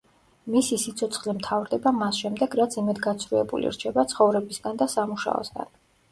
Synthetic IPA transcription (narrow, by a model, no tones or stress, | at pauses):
misisit̪sʰɔt̪sʰχlimt̪ʰavɾd̪ɛbamasʃɛmd̪ɛɡɾat̪sʰimɛd̪ɡat̪sʰvɾuɛ̰bṵlḭɾt͡ʃʰɛbat̪sʰχɔvɾɛbisɡand̪asamuʃa̰ɔ̰sɡa̰n